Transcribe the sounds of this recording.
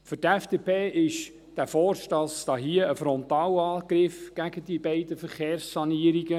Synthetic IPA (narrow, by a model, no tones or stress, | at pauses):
fʏɾtɛfd̥epʰeːʔɪʃ | d̥æfɔrʃtɑsd̥̪ɑːɦiəəfɾɔnt̪ɑːwɑːɡ̥ɾɪfɡ̥æɡədibeɪdəfəɾχeːɾsːɑniəɾiɡə